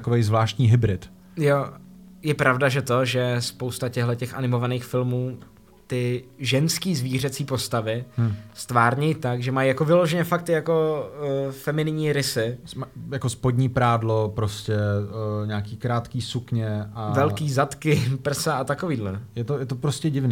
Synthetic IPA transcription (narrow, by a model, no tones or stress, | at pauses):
kovejzvlaːʃt̪ɲiːɦɪbɾɪt̪ | jo | jɛpɾavdaʒɛt̪o̞ʒɛspo̞wst̪acɛɦlɛcɛxʔa̰nɪmo̞vaniːxfɪlmuː | t̪ɪʒɛnskiːzviːr̝ɛt͡siːpo̞st̪avɪst̪vaːɾɲɛjt̪aɡʒɛmajijako̞vɪlo̞ʒɛɲɛfak̚t̪ɪjako̞ | fɛmɪnɪɲiːɾɪsɪmajakospodɲiːpɾaːdlopɾoscɛɲaːkiːkɾaːt̪kiːsukɲɛʔavɛlkiːzat̪kɪpr̩saʔat̪akoviːdlɛjɛt̪ojɛt̪opɾoscɛɟɪvniː